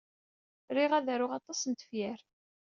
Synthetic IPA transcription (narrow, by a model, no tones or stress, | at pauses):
ɾiʁæðæɾʊʁɑt̪ˤɑsənt̪ə̥fjæɾ